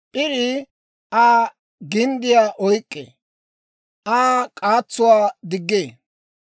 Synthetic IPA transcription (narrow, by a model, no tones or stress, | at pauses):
pʼɪɾɪ | ʔaː | ɡɪnd̪ɪjaːʔɔjkʼːḛː | aːkʼaːt͡sːʊwaːd̪ɪɡːeː